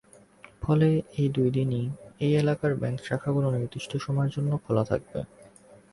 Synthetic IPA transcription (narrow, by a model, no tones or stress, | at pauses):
fɔleejd̪ujd̪iniejelakaɾbɛŋkʃakʰaɡuloniɾd̪ɾiʃʈʰoʃɔmaɾd͡ʑonːokʰɔlat̪ʰa̰k̚bḛ